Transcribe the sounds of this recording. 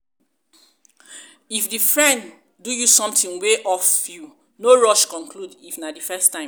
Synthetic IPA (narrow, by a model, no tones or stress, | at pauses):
ifdifɹɛ̃nd | dujusɔ̃mtĩnweʔɔfju | noɹɔʃkɔ̃nkʰludifnadifɛstãɪ̃m